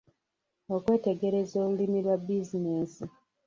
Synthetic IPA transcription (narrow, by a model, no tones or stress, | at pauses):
okwe̞ːte̞ɡe̞ɾe̞zo̞ːβulimilwabizine̞ːsi